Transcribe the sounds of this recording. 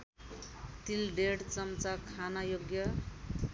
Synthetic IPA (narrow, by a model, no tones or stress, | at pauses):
t̪ilɖeɽt͡sʌmt͡sakʰanajoɡjʌ